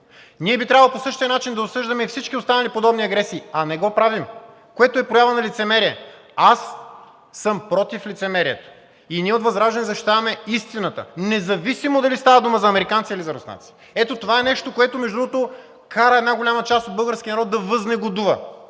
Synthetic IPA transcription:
niɛbit̪ɾʲavɐlˠposɤʃt̪iənat͡ʃind̪ɐopsɤʒd̪ɐmɛifsit͡ʃkiost̪anɐlipod̪ɔbniɐɡɾɛsiːɐnɛɡɔpɾavim | koɛt̪oɛpɾojavɐnɐlit̪sɛmɛɾiɛ | asː | əmpɾɔt̪iflit̪sɛmɛɾiɛt̪o̥ | iniɛot̪vɐzɾaʒd̪ɛnɛzɐʃt̪it̪avɐmɛist̪inət̪ə̰nɛzɐvisimod̪ɐlist̪avəd̪uməzɐɐmɛɾikansiilizɐɾo̰sna̰t̪si̥ | ɛt̪ot̪ovaɛnɛʃt̪okoɛt̪omɛʒd̪ɾuɡot̪o | kaɾəɛd̪naɡolʲamɐt͡ʃast̪od̪bɤlˠɡəɾskʲinɐɾɔt̪̚d̪ɐvəznɛɡod̪uvɐ

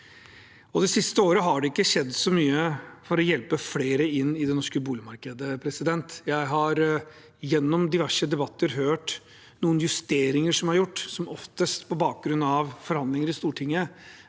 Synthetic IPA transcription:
ɔd̪ɛsɪst̪əoːɾəɦɑɖɛɪkːəɕɛd̪ːsɔmyːəfɔɾɔjɛlpəfleːɾəɪnːɪd̪ɛnɔʂkəbuːlɪmɑɾkəd̪əpʰɾɛsɪd̪ɛnt̪jæɪɦɑɾ | jɛnːɔmd̪ɪʋæʂəd̪ɛbɑt̪ːəɾɦøːʈ | nuːənjʉst̪eːɾɪŋəʂɔmæɾjʊʈːsɔmɔft̪əst̪pʰɔbɑːk̚ɡɾʉnːɑʋfɔɾhɑnd̪lɪŋəɾɪst̪uːʈʰɪŋːə

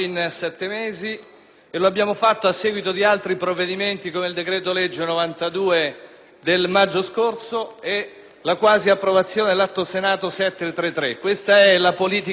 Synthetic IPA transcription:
insɛt̪ːemeːzi | eloabːjaːmofat̪ːoasːɛːɡwit̪od̪ialt̪ɾipɾovːed̪iment̪ikomeild̪ekɾɛːt̪̬oled͡ʒːenovant̪ad̪uːe | d̪elmad͡ʒːoskort̪soe | lakwaːziapːɾovat̪sːjoːnelat̪ːosenaːt̪osɛt̪ːet̪ːɾet̪ːɾekːwest̪aɛlapoliːt̪i

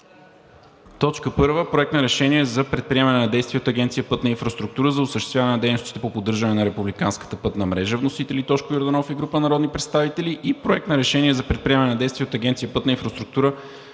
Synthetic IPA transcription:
t̪ɔt͡ʃkəpɤɾvəpɾoɛkt̪nəɾɛʃɛniɛzɐpɾɛt̪̚pɾiɛmɐnɛnɐd̪ɛjst̪viɛot̪ɐɡɛnt̪sijəpɤt̪nəinfɾɐst̪ɾuk̚t̪uɾəzɐʊsəʃt̪ɛst̪vʲavɐnɛnəd̪ɛjnost̪i̥t̪ɛpopod̪ːɤɾʒɐnɛnɐɾɛpublikanskə̥t̪əpɤt̪nəmɾɛʒəvnosit̪ɛlit̪ɔt͡ʃkʊjoɾd̪ɐnɔfiɡɾupənɐɾɔd̪nipɾɛt̪st̪avit̪ɛliʔipɾoɛkt̪nəɾɛʃɛniɛzɐpɾɛt̪̚pɾiɛmɐnɛnɐd̪ɛjst̪vijɛot̪ɐɡʲɛnt̪ijəpɤt̪nəinfɾɐst̪ɾuk̚t̪uɾə

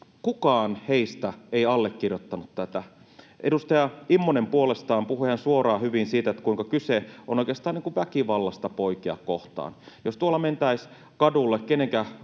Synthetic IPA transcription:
kukɑːnheist̪æeiɑlːekːirjot̪ːɑnut̪t̪æt̪æ | ʔedust̪ɑjɑimːonempuolest̪ɑːmpuhuihænsuorɑːhyʋinsiːt̪æet̪ːækuiŋkɑkyseʔo̰noˑikˑeɑst̪ɑːniŋkuʋʋækiʋɑlːɑst̪ɑpoikiɑ̰kkoht̪ɑ̰ːnjost̪uolːɑment̪æis | kɑdulːekkeneŋkæ

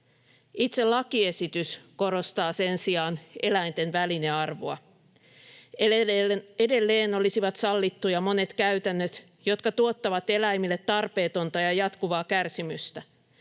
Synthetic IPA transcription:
it̪se̞llɑkie̞sit̪ysko̞ɾo̞st̪ɑːse̞nsiɑːne̞læint̪e̞nʋæline̞ɑrʋo̰ɑ̰ | ede̞lːe̞ːno̞lisiʋɑt̪sɑlːit̪ːujɑmo̞ne̞t̪kæyt̪ænːøt̪ | jo̞t̪kɑt̪uot̪ːɑʋɑt̪e̞læjmilːet̪ːɑrpe̞ːt̪o̞nt̪ɑjɑjɑt̪kuʋɑːkærsimyst̪æ

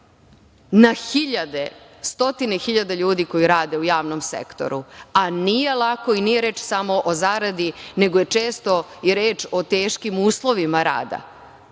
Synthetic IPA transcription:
naxiʎad̪est̪o̞t̪inexiʎad̪aʎuːd̪iko̞jiɾaːd̪e̞ujaːʋnomsḛkt̪o̞̰ɾuanije̞lˠako̞inijeɾeːt͡ʃsamo̞ʔozaːɾad̪ine̞ɡoje̞t͡ʃeːst̪o̞jiɾeːt͡ʃo̞t̪eːʃkimuːslˠoʋimaɾa̰ːd̪a̰

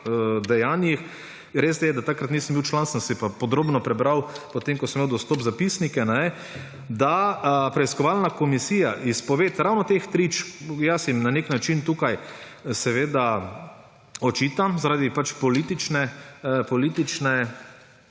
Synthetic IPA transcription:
d̪ɛjaːnjix | ɾeːs̬d̪ɛjɛd̪at̪akɾat̪nisəmbiwt͡ʃlansansɛpapɔd̪ɾoːbnɔpɾɛbɾawpɔt̪emkɔsəmːewd̪ɔst̪oːpzapisnikɛnɛ | d̪apɾɛiskɔʋalnakɔmisiːjaʔispɔʋet̪ɾawnɔt̪ext̪ɾit͡ʃjasimnaneknat͡ʃint̪ukaj | sɛʋeːd̪a | ɔt͡ʃiːt̪amzaɾaːd̪ipat͡ʃpɔlit̪it͡ʃnɛpɔliːt̪it͡ʃnɛ

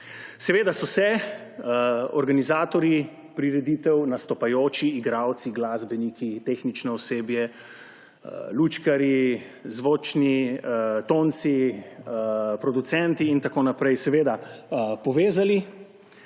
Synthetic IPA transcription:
sɛʋeːd̪asɔsɛ | ɔ̰ɾɡanizaːt̪ɔɾi | pɾiɾɛd̪iːt̪ɛwnast̪ɔpajoːt͡ʃiːɡɾawt̪siɡlaːzbɛnikit̪exnit͡ʃnɛɔseːbjɛ | lut͡ʃkaɾi | zʋoːt͡ʃni | t̪oːnt̪si | pɾɔd̪ut̪sɛnt̪iːnt̪akoːnapɾɛjsɛʋeːd̪apɔʋeːzali

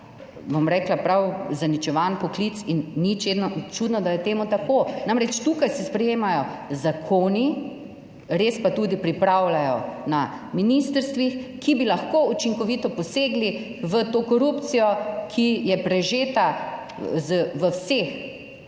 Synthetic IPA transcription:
bomɾɛːklapɾawzanit͡ʃɛʋanpɔklit̪sinːit͡ʃed̪nɔt͡ʃuːd̪nɔd̪ajɛt̪eːmut̪akonamɾɛt͡ʃt̪uːkajsispɾɛjeːmajɔzakʰoːni | ɾeːspat̪uːd̪ipɾipɾawlajɔna | minist̪əɾst̪ʋixkibilaxkoːut͡ʃiŋkɔʋit̪ɔpɔseːɡli | ʋət̪okɔɾupt̪sijɔkʰijɛpɾɛʒeːt̪a | zəʋəwseːx

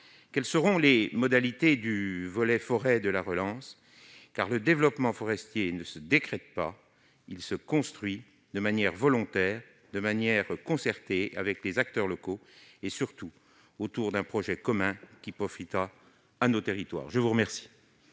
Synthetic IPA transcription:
kʲɛlsəʁɔ̃lemɔd̪alit̪ed̪yvɔlɛfɔʁɛd̪əlaʁəlɑ̃s | kaʁləd̪evlɔpmɑ̃fɔʁɛst̪jenəsəd̪ekχɛt̪̚pa | ilsəkɔ̃st̪χɥi | d̪əmanjɛʁvɔlɔ̃t̪ɛːʁ | d̪əmanjɛʁkɔ̃sɛʁt̪ea̰vɛklezak̚t̪œʁlɔkoesyʁt̪u | ot̪uʁd̪ɛ̃pχɔʒɛkɔmɛ̃kʲipχɔfit̪ʁaː | not̪eʁit̪wa̰ːʁʒəvuʁəmɛʁsi̥

